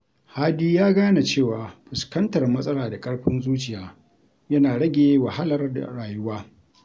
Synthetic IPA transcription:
haː˦diː˦jaː˦ɡaː˦na˨t͡ʃeː˦˨waː˨ɸʊ˨skɐ˦ntɐ˨rmɐ˦sʼɐ˦laː˨da˨kʼɐ˦ɽɸɪ˦nzuː˦t͡ʃɪ˨jaː˨ | jɐ˦naː˨ɽɐ˦ɡʲeː˨wɐ˨ha˦lɐ˦rda̰˨ɽaː˨jʊ˦waː˦

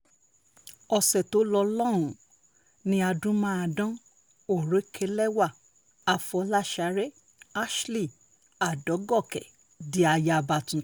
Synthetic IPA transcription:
ɔ˧sɛ˨to˨˦lɔ˧lɔ̃˦˨ũ˨ | nĩ˧a˧dũ˦mã˦a˧˨dɔ̃˦ | o˦˨ɾe˨˦kʰe˧lɛ˦wa˦˨ | a˧fɔ˧˦la˦˨ʃa˨˦ɾe˦ | a˦ʃli˦˨ | a˨dɔ˨˦ɡɔ˦˨kɛ˨ | di˨˦a˧ja˧ba˧tũ˨

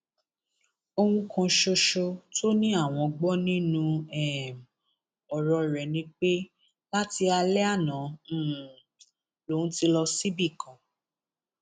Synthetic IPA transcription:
o˧hũ˧kʰã˧ʃo˧ʃo˧tʰo˦nĩ˦a˦˨w̃ɔ̃˧ɡ͡bɔ˦nĩ˦nũ˧ɛ˦˨m | ɔ˨ɾɔ˧˨ɾɛ˨nĩ˧k͡pe˦ | la˦ti˧a˧lɛ˦a˦˨nã˨˦˨ | lõ˨˦ti˧lɔ˧si˦bi˦˨kʰã˨

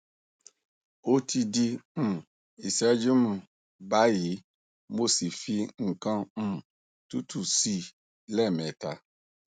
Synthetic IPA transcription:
o˦tʰi˧di˧m̩̃˨ | i˨sɛ˦d͡ʒu˦mũ˨ | ba˨˦ji˨˦ | mo˦˨si˨fi˧ŋ̩˨kã˧˦m̩̃˦ | tu˦tu˦˨si˦˨ | lɛ˦˨mɛ˨ta˨˧

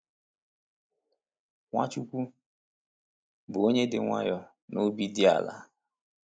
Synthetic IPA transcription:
ŋʷa̰˦t͡ʃu˦kʷu˦ | bʊ˨o˦ɲe˦dɪ˨ŋʷa̰˦jɔ˦ | no˦bi˦dɪ˦a̰˨la̰˨

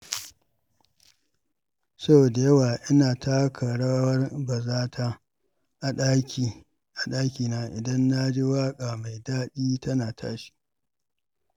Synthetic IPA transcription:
sɐ˦bo˨da˨jɐ˦waː˨ʔɪ˦naː˨ta˦kʰɐ˨ɽa˦wɐ˦rbɐ˨zaː˦tʰa˦ | ʔa˨ɗa˦kʲi˨ | ʔa˨ɗaː˦kʲiː˨naː˦ʔɪ˨dɐ˦nːa˦d͡ʒe˦waː˦kʼaː˨ma˨jdaː˦ɗiː˦tɐ˦naː˨tʰa̰ː˦ʃi̥˦

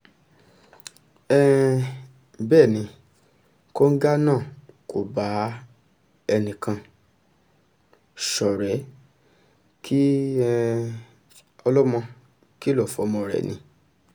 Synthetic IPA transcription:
ɛ˦ | bɛː˦˨nĩ˧ | ko˦ŋ̩˦ɡa˦nãː˦˨ko˨ba˨˦ | ɛ˧nĩ˨kã˧ | ʃɔ˨ɾɛ˨˦ | kʰi˦ɛ˧ | ɔ˧lɔ˦mɔ̃˧ | ki˦lɔ˦˨fɔ˨˦˧mɔ̃˧ɾɛ̰˨nʔĩ˧˦

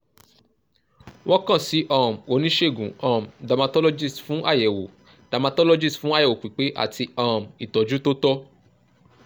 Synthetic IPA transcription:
wɔ̃˦kã˦˨si˨˦ʔã˦˨mo˨˧˦nĩ˦ʃe˦˨ɡũ˨ã˨mda˨mã˧tɔ˦lo˦d͡ʒi˦˨sfũ˨˦ʔa˦˨jɛ˨wo̰˨ | d̥a˨mã˧tɔ˦lɔ˦d͡ʒi˦sfũ˦a˦jɛ˨wo˨k͡pi˨k͡pe˨˦ʔa̰˦˨ti˧ã˧˨m˨i˨tɔ˨d͡ʒu˨˦to˦tɔ˦

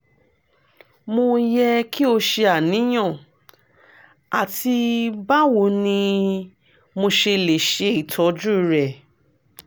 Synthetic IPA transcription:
mo˧jɛ˧ki˦o˧ʃe˧a˨nĩ˨˦j̃ɔ̃˦˨ | a˨ti˧ba˦wo˨˦nĩ˧ | mo˧ʃe˧le˨ʃe˧˦i˦˨tʰɔ˨˦d͡ʒu˦˨ɾɛ˨

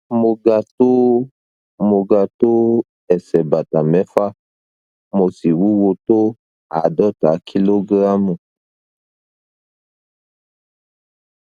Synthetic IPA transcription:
mo˨ɡa˨to˦ | mo˨ɡa˨to˦ | ɛ˨sɛ˨ba˨ta˨mɛ˦fa˦ | mo˨si˨wu˦wo˦to˦ | a̰˨dɔ˦ta˨˦kʰi˦lo˦ɡɾa˦mu˨

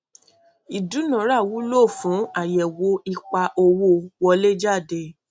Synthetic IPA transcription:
i˨du˨˦nã˨˦ɾa˦˨wu˨˦lo˦˨fũ˨˦a˨jɛ˨wo˧˦i˧k͡pa˧ʔo˧wo˦wɔ˧le˦d͡ʒa˦˨de˧˨

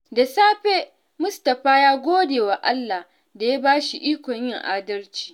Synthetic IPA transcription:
da˨saː˦ɸe˦ | mʊ˦stɐ˨ɸaː˦jaː˦ɡʷoː˦deː˨wa˨ʔa˦lːa˨h | da˨ja˦baː˦ʃi˨ʔiː˦kʷɔ˨ɲjɪ˦˨ŋʔaː˦dɐ˦lt͡ʃi̥ː˦

